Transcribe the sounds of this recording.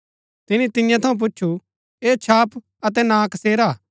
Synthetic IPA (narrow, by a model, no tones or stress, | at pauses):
t̪ɪnĩt̪ɪjãt̪ʰɐũp̬ʊt͡ʃːʃʰu | eːt͡ʃʰaːp | ɐt̪̬ɛnãːkseːɾaː